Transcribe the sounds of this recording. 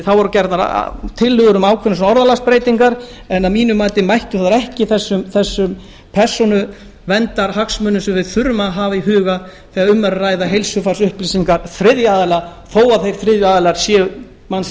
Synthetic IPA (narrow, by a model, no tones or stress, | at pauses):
θawvɔɾʏcɛɾt̪naɾ̰t̪ʰɪlːʏɣʏɾʏmaːwkʰɛɾns̬ɔnaɔɾðalaspɾeːjt̪iŋkaɾ | ɛnːamiːnʏmaːt̪ɪmajht̪ʏθaðaɾɛhcɪθɛsːʏmθɛsːʏm | pʰɛɾ̥sɔnʏ | vɛnt̪aɾɦaksmœnːʏsɛvɪðθʏɾmaɦaːviɦʏːɣa | θiaðʏmːɛɾaraːjðaɦejlsʏfaɾ̥sʏhpliːsiŋkaɾθɾɪðjaːðɪlaθoːwaθejɾ̥θɾɪðjaːðɪlaɾ̥sjɛː | mans